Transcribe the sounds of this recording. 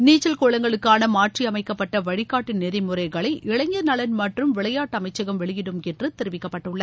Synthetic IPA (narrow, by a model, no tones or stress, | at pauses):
niːt͡ʃːɐlkoːɭɐŋɡɐɭɯkːaːnɐmaːʈriɐmɐɪkːɐpːɐʈːɐʋɐɻɪkːaːʈːɪnnɛðɐɪmɯɾɐɪɣɐɭɐɪʔɪɻɐɲɡɐnɐɭɐnmɐʈrɯmʋɪɭɐjaːʈːɐmɐɪt͡ʃːɐɣɐmʋɛɭɪjɪɽɯmɛndrɯt̪ɪɾɯʋɪkːɐpːɐʈːɯɭːɐ